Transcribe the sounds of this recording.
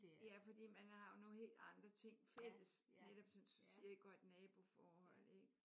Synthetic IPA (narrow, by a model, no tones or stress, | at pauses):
jæfɒ̽d̥ḭːmænhɑ̈jo̝no̝ːhe̝̰ːld̥ɑ̈nd̥ʁɐt͡sʰe̝ŋ̰fel̰əsneɾ̥ɒb̥sɒ̽mssiɐeɡ̥ɒd̥nɛːb̥o̝fɒːhɒ̽l̰eɡ̥